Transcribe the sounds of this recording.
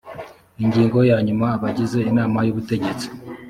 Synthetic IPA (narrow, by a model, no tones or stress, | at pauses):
iɲɟiːŋɡo̞jaːɲumaːβaɟize̞inaːmajuβute̞ɟe̞t͡si̥